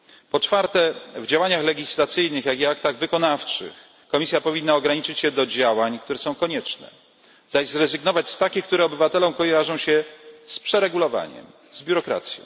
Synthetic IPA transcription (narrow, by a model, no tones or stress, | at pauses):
pɔt͡ʂfaɾt̪ɛvd͡ʑawaɲaxlɛɡʲislat̪sɘjnɘxjaɡʲiak̚t̪aɣvɘkɔnaft͡ʂɘ̰x | kɔmʲisʲjapɔvʲinːaɔɡɾaɲit͡ʂɘt͡ɕɕɛd̪ɔd͡ʑawaɲkt̪uɾɛsɔ̃w̃kɔɲɛt͡ʂnɛ̰ | zaʑzɾɛzɘɡnɔvat͡ɕst̪akʲixkt̪uɾɛɔbɘvat̪ɛlɔ̃w̃kɔjaʐɔ̃w̃ɕɛspʂɛɾɛɡulɔva̰ɲɛ̰m | zbʲjuɾɔkɾa̰t̪sʲjɔ̰̃w̃